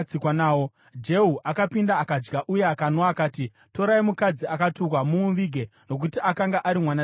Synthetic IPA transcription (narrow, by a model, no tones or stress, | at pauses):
ikwanaːwo | d͡ʒe̞ɦuʔakapindaːkad͡ʒɡaʔuje̞akanoakaːti | to̞ɾaimukad͡ziakatukwamuuʋiɡʱe̞no̞k̬utiʔakaŋɡaʔaɾimwana